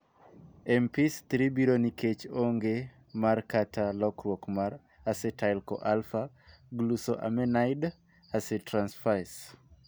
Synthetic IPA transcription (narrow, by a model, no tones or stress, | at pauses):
ɛmpist̪ɾibiɾoniket͡ʃoŋɡe | markatʰalɔkɾwokmaɾ | asetaɪlko̰ʔalfa | ɡlusoʔa̰mɛnajd | asetɾansfas